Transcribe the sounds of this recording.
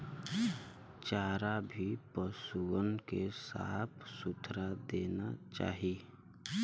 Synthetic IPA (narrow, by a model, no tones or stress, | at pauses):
t͡ʃaːɾabʱipəsuənkesa̰ːt̪ʰsʊt̪ʰɾad̪eːna̰t͡ʃa̰ːɦi